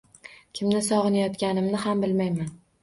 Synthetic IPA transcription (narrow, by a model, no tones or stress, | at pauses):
kʲʰɪmnɪsɒʁɨnajɒt̪kʲanɪmnɪɦambɪlmajman